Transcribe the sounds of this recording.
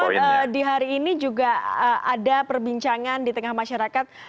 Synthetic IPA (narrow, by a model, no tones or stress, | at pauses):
ədiɦaɾiːnid͡ʒuɡaəʔadapərbiɲt͡ʃaŋandit̪əŋahmaʃaɾakat̪̚